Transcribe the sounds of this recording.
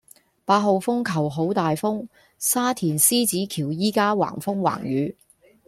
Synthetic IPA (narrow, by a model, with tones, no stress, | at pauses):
paː˧t̚ɦo˨˧wfʊ˥ŋkʰɐ˨˩wɦo˨˥wt̪aː˨jfʊ˥ŋ | saː˥t̪ʰiː˨˩nsiː˥t͡siː˨˥kʰiː˨˩wjiː˥kaː˥wa̰ː˨˩ŋfʊ˥ŋwa̰ː˨˩ŋjyː˨˧